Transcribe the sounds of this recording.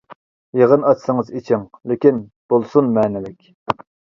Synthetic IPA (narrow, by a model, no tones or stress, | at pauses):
jeʁənɑt͡ʃsɨŋɨzit͡ʃʰiŋlɪkʲinb̥olˠsunmɛːnɪlɪkʲ